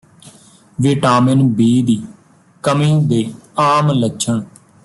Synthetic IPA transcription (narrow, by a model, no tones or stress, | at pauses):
ʋɪʈaːmɪnbiːd̪iː | kəmĩːd̪eːaːmləʃʰəɳ